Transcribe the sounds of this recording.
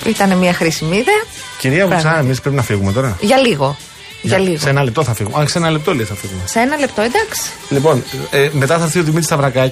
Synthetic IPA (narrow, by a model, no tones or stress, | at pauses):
it̪ɐnemiɐxɾisimiðeɐ | ciɾiɐpusɐemispɾepinɐfiɣume̞t̪o̞ɾɐʝɐliɣo̞ | ʝɐliɣosenɐlept̪oθɐfiɣumeɐnseenɐlept̪oliθɐfiɣumeseenɐle̞pt̪o̞ed̪ɐksi̥ | lipo̞nemet̪ɐθɐɾθiot̪imit̪ist̪ɐvɾɐkɐ